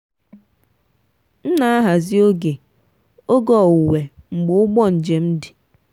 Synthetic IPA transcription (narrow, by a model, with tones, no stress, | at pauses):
n̩˦na˦a˦ɦa˨zɪ˦o˦ɡe˨ | o˦ɡɔ˨u˨we˨ŋ͡m̩˨ɡ͡bʊ˨˦ʊ˦ɡ͡bɔ˦n̩˨d͡ʒe˨m̩˦dɪ˨